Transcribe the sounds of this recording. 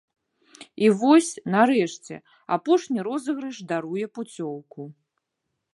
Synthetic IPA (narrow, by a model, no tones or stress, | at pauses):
ivɔsʲnaɾɛʂt͡sʲɛ̰ | a̰pɔʂnʲiɾɔzɐɣɾɐʂd̪aɾujɛput͡sʲɔwku